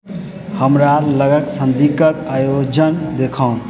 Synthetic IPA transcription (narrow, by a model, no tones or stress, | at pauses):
həmɾaɾləɡəksənd̪ʱikəkajod͡ʒənd̪ekʰə̃